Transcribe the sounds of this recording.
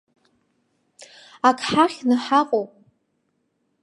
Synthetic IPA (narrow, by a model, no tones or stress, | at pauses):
akʰħaχʲnɨħaqʼowpʼ